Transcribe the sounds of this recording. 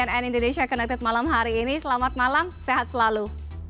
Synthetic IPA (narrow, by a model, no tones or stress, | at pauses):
anɛnindoneʃiakənɛk̚t̪ɪt̪̚malamɦaɾiːnisəlamat̪̚malamseɦat̪̚səlalu